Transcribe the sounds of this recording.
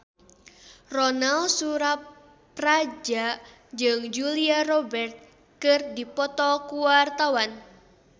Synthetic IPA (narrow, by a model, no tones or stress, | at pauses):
rɔnalsuɾap | rad͡ʒa | d͡ʒɨŋd͡ʒuliarɔbɛrt̪̚ | kɨrdipɔt̪ɔkuwart̪awan